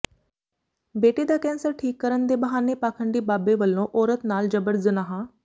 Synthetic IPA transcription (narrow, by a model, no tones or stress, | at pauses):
beːʈeːd̪aːkɛ̃ːnsəɾʈʰiːkːəɾənd̪eːbəɦaːneːpaːkʰəɳɖiːbaːbeːʋəlːõːʔɔːɾət̪naːld͡ʒəbəɾzənaːɦãː